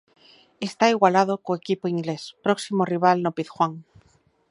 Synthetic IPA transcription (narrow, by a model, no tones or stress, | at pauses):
est̪aiɣwalaðokoekipoiŋɡlespɾoksimoriβ̞alnopiθxwaŋ